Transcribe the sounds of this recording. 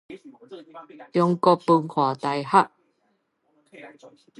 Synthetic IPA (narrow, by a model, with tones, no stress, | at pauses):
t̪jɔ˧ŋkɔ˧pu˧ŋkʰwaː˨˩˦t̪a˧jha˦˥ʔ